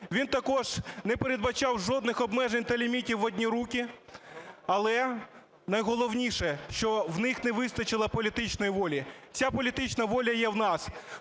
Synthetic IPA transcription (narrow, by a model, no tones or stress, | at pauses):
ʋʲint̪ɐkɔʒ̥nɛpeɾed̪̚bɐt͡ʃɑwʒɔd̪nɪxɔbmɛʒenʲt̪ɐlʲimʲitʲiwɔdʲnʲiɾukʲi | ɐlˠɛ | nɐjɦɔlˠɔwnʲiʃɛʃt͡ʃɔwnɪxnɛʋɪst̪ɐt͡ʃɪlˠɐpɔlʲit̪ɪt͡ʃnɔjiʋɔlʲit͡sʲapɔlʲit̪ɪt͡ʃnɐʋɔlʲɐjɛwnɑs